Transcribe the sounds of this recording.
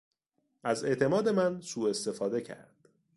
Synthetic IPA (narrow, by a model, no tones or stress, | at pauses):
ʔæze̞ʔt̪ʰe̞mɒːd̪e̞mænsuːe̞st̪e̞fɒːd̪e̞cʰæ̰ɾd̪̥